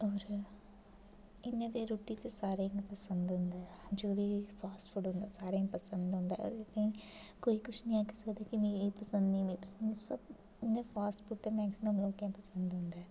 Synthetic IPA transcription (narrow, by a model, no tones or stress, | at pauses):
ɔːɾ | ɪnːẽːd̪eːɾoːʈit̪esaːɾẽŋɡpəsənd̪ɦʊ̃nd̪aːɛd͡ʒoːbiːpʰaːsʈfʰuʈɦʊ̃nd̪aːsaːɾẽpəsə̃nd̪ɦʊ̃nd̪aːɛ̰et̪ẽkoːiːkʊt͡ʃʰnĩːaːkʰesəkd̪aːkimẽpəsə̃nd̪nĩmĩːpəsənĩsəb | ɪnːẽːpʰaːsʈfʊʈ̚t̪emɛːksɪməmloːkjãːpəsə̃nd̪ɦʊ̃nd̪aː